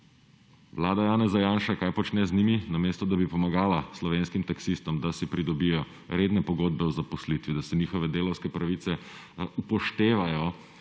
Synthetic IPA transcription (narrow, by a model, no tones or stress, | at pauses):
ʋlaːd̪ajaːnɛzajaːnʃakajpɔt͡ʃnɛzniminameːst̪ɔd̪abipɔmaɡaːlaslɔʋeːnskimt̪aksist̪ɔmd̪asipɾid̪ɔbijɔ | ɾeːd̪nɛpɔɡoːd̪̚bɛwzapɔslit̪ʋid̪asɛniːxɔʋɛd̪eːlɔwskɛpɾaʋit̪sɛ | upɔʃt̪eːʋajɔ